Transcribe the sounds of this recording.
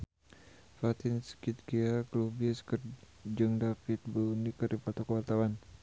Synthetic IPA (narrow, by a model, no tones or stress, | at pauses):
fat̪ɪnskit̪̚ɡiaklubiɛskər | d͡ʒɨŋdafit̪̚bəunikərdipat̪ɔkəwart̪awan